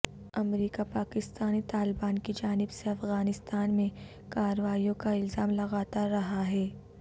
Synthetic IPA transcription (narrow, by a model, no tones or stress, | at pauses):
ɐmɾiːkapaːkɪst̪aːnit̪aːlɪbaːnkid͡ʒaːnɪbseɐfɣaːnɪst̪aːnmẽ | kaːɾəʋaːijõkaɪlzaːmlɐɣaːt̪aɾːɐɦaɦɛː